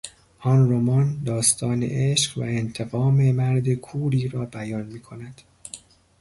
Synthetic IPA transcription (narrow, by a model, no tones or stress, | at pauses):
hɒːnromɒnd̪ɒːst̪ʰɒːnḛʔeʃqvæ̰ent̪ʰe̞ɣɒːme̞mæɾd̪e̞kʰuːɾiːɾɒːbæjɒːnmiːkʰo̞næd̪̥